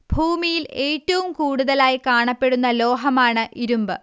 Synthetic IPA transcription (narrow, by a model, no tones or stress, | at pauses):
b̥ʱuːmijile̞ːtːɐʋumkuːɽuðɐlaːjikaːɳɐpːe̞ɽunːɐlo̞ːɦɐmaːɳɨʔiɾumbɨ